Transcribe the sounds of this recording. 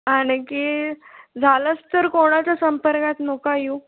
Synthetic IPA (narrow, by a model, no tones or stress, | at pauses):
aɽ̃iki | d͡zʱaləst̪əɾkoɽ̃at͡ɕjasəmpəɾkat̪nokaju